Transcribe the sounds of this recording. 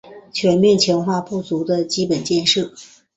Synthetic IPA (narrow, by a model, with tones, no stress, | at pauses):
t͡ɕʰɥɛ˧˥nmjɛ˥˩nt͡ɕʰjɑ˧˥ŋxwa˥˧pu˥˩t͡su˧˥d̪ə˧t͡ɕi˥pə˨˩nt͡ɕjɛ˥˧nʂɤ˥˩